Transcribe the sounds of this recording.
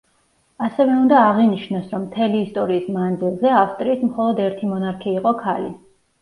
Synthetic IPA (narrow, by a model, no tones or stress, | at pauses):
asɛvɛund̪aːʁiniʃnɔsɾɔmːt̪ʰɛliːst̪ʼɔɾiːsmand̪zilˠzɛafst̪ʼɾiːsmχɔlˠɔd̪ɛɾt̪ʰimɔnaɾkʰiːqʼɔkʰali